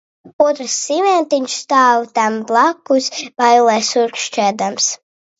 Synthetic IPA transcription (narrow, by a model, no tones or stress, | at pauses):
uɔt̪ɾsːivɛnt̪iɲʃst̪aːwt̪amblˠakːusvajulˠɛsuɾkʃt͡ʃæːd̪ams